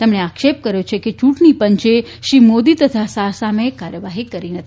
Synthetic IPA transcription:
t̪emɳeakʃep̚kəɾjot͡ʃʰeket͡ʃũʈɳipəɲt͡ʃe | ʃimod̪it̪ət̪ʰasasamekaɾjəʋaɦikəɾinət̪ʰ

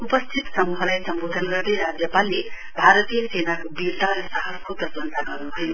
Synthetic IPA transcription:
upʌst̪ʰit̪sʌmuɦʌlajsʌmbod̪ʱʌnɡʌrd̪ejɾad͡zjʌpalːe | bʱaɾʌt̪ijʌsenakobiɾt̪aɾʌsaɦʌskot̪ʌd͡zʌnt̪aɡʌrnuɦʌjo

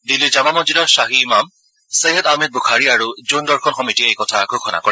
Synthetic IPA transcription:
dilːid͡ʒamamɔd͡ʒidɔsaɦiːmam | seɦɛdamed̚buxʰaɹiaɹud͡ʒondɔɹxʰɔnxɔmitiejkɔtʰaɡʱokʰɔna̰kɔɹɛ

